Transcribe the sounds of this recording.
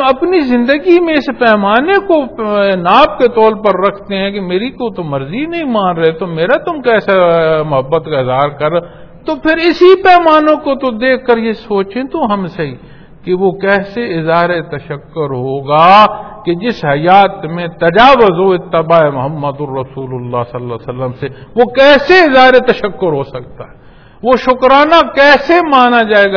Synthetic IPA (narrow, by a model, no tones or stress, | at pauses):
ɐpnizɪ̃nd̪əɡimẽɪspɛːmaːnekonaːb̚ket̪ɔːlpɐɾːɐkʰt̪eɦɛ̃kemeːɾikot̪omɐɾzinɐɦĩmãːnɾɐɦet̪omeːɾat̪ʊmkɛːsamʊɦəbːət̪kaɪzaːɾkɐɾ | t̪opʰɪɾɪsipɛːmaːnõkot̪od̪eːkʰːɐɾjesoːt͡ʃẽt̪õɦɐmsei | keʋokɛːseɪzaːɾet̪ɐʃəkːʊɾɦoːɡaːked͡ʒɪsɦɐjaːt̪mẽt̪ɐd͡ʒaːʋʊzoɪt̪ːɪbaːemʊɦəmːəd̪ʊːɐsuːlʊlːaːsɐlːasɐlːəmseʋokɛːseɪzɦaːɾet̪ɐʃəkːʊɾɦoːsɐk̚t̪aɦɛː | ʋoʃʊkɾaːnakɛːsemaːnad͡ʒaːeːɡa